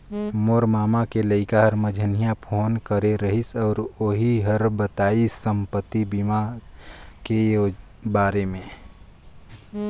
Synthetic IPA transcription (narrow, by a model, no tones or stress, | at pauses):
moɾmaːmakeləɪkaɦəɾməd͡ʒʱənijapʰoːnkəɾeɾəɦisɔːɾoɦiɦəɾbət̪aːisəmpət̪ːibima | kejo | baːɾemẽ